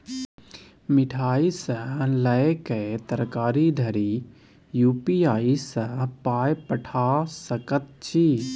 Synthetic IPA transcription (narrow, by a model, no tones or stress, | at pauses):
mɪʈʰaːisələjkəet̪əɾkaːɾid̪ʱɐɾi | juːpiaːisəpaːjpəʈʰaːsəkət̪̚t͡ʃʰi